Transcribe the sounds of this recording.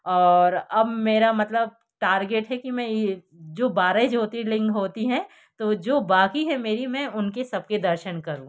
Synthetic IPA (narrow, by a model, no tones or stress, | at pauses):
ɔːɾɐbmeːɾamɐt̪ləb̚ | ʈaːɾɡeʈɦɛkimɛ̃ | d͡ʒoːbaːɾed͡ʒɦoːt̪ilɪ̃ŋkɦoːt̪iɦɛ̃ | t̪od͡ʒoːbaːkiɦɛmeːɾimɛ̃ʊnkesɐb̚ked̪ɐɾʃənkɐɾũ